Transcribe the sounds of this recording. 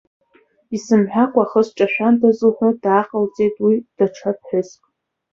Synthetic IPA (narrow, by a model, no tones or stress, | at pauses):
isɨmħʷᶣakʷʼaχəsʈ͡ʂʼaʃᶣantʰazɨħʷʊdaːqʼəlt͡sʼe̞jtʼwid̥aʈ͡ʂʰap̚ʰħʷᶣʊzkʼ